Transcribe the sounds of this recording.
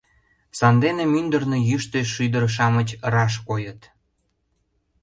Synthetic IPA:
sɑnd̪enemynd̪ərnojyʃt̪eʃyd̪əɾʃ̬ɑmət͡ɕrɑʃ̬kojət̪

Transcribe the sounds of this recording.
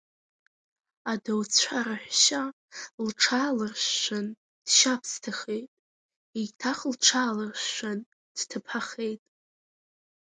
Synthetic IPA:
adawt͡sʷʰaɾaħʷᶣʃa | lʈ͡ʂʰaːlɨrʃːan | d̥ʃapʰstʰaχe̞jtʼ | itʰaχlʈ͡ʂʰaːlɨrʃʃʷan | d̥tʰɨpʰaχe̞jtʼ

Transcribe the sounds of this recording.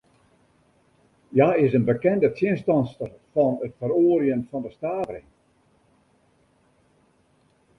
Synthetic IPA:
jaɪsənbəkɛndətʰjɪnstɑnstərfɑnətfəɾoːərjənfɔndəstaːvərɪ̰ŋ

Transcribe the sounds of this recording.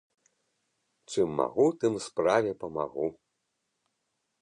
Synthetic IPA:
t͡ʂɨmːa̰ɣut̪ɨmspɾavʲɛpɐma̰ɣu

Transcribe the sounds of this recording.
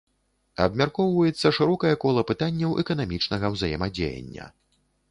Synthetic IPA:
ɐ̰bmʲarkɔwvɐjɛt̪sːɐʂɨɾɔkɐjɐkɔlˠɐpɨt̪anʲːɐwʔɛ̰kɐn̪amʲit͡ʂnɐɣɐwzajɛmɐd͡zʲḛjɐ̰nʲːɐ̰

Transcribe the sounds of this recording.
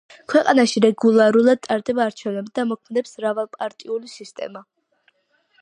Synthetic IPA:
kʰwɛqʼanaʃiɾɛɡulˠaɾulˠad̪̚t̪ʼaɾd̪ɛbaːɾt͡ʃʰɛvnɛbd̪amɔkʰmɛd̪ɛpsɾavalˠpʼaɾt̪ʼiulisist̪ʼɛ̰ma

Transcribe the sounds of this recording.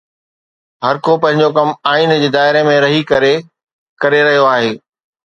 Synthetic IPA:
ɦɐɾkʰopɐ̃ɦɪ̃ɲd͡ʑokɐmaːiːnd͡ʑeːd̪aːɪɾemẽɾɐɦikɐɾe | kɐɾeɾɐɦijoaːɦeː

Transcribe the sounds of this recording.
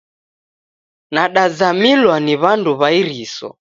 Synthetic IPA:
naɗazamilwaniβanduβaiɾisɔ̰

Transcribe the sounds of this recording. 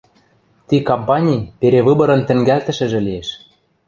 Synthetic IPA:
t̪ikompɑnʲijpeɾeβɯbɤ̆ɾɤ̆nt̪ɘ̆ŋɡælt̪ɘ̆ʃɘ̆ʒɘ̆lijeʃ

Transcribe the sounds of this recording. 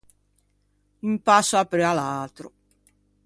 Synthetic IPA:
umpasːoapːɾealalt̪ɾo̰

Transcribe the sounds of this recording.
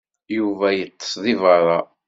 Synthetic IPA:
juvæjət̪ˤːə̥sðˤivəɾˤɑ

